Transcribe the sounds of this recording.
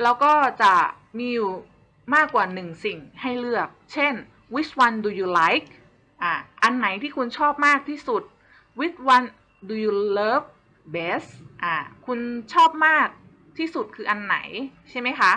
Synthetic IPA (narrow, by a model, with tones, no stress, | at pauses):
lɛː˦˥wkɔː˥˩t͡ɕa˨˩ | miː˧juː˨˩ | maː˥˩kːwaː˨˩nɯ˨˩ŋsi˨˩ŋha˥˩jlɯ˥˩ək̚t͡ɕʰe˥˩n | wi˦˥t͡ɕʰwa˧ndu˨˧juː˨˧la˦˥jk̚ | ʔaː˨˩ʔa˧nːa˩˦jt̪ʰiː˥˩kʰu˧nt͡ɕʰɔː˥˩p̚maː˥˩k̚t̪ʰiː˥˩su˨˩t̪̚ | wi˦˥t͡ɕwa˧n | duː˧juː˧lɤː˦˥p̚ | beː˦˥sʔaː˧˩kʰu˧nt͡ɕʰɔː˥˩p̚maː˥˩k̚ | t̪ʰiː˥˩su˨˩t̪̚kʰɯː˧ʔa˧nːa̰˩˦jt͡ɕʰa˥˩jma˦˥jkʰa˦˥ʔ